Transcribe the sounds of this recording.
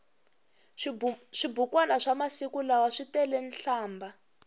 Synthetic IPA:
ʂibukwanaʂamasikulawaʂitɛlɛnɬaːmba

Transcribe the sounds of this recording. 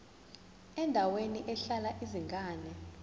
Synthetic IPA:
ɛndʱaweniʔɛɬalaʔiziŋɡʱaːnɛ

